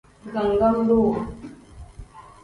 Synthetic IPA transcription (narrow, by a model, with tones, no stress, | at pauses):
ɡə˨ŋɡa˦mɾuː˦˨